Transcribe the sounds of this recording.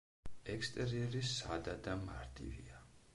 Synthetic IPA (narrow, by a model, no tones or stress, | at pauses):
ɛkst̪ʼɛɾiɛɾisad̪ad̪ama̰ɾt̪ʼḭvia